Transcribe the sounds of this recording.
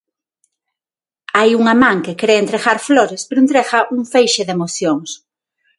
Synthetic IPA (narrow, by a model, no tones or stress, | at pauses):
ajuŋɐmãŋkekɾeent̪ɾeɣaɾfloɾespeɾoent̪ɾeɣɐʔuŋfejʃeðemoθjoŋs